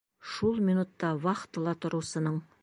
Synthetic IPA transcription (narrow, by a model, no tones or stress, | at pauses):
ʃulˠminut̪ːɑwɑqə̥t̪əlˠɑt̪ʰʊɾusənəɴ